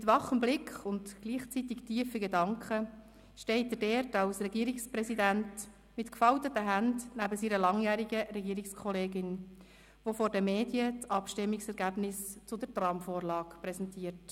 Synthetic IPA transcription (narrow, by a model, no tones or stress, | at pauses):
mɪt̪ʋɑχəmblɪkχʊntɡ̥liːχt͡sitɪktiːəfəɡedɑŋkχə | ʃtɛɪtədɛːɾtɑlsɾɛɡiːɾɪkspɾɛsidænt | mɪtkfɑltətəɦændnæbəsiːɾəlɑŋjæːɾiɡəɾɛɡiːɾɪkskʰɔleːɡɪn | ʋofɔɾdəmeːdjət͡sɑpʃtɪmːɪksɛɾɡæbnɪst͡sʊdəɾtrɑmfɔːɾlɑːkpɾɛsɛntiːəɾt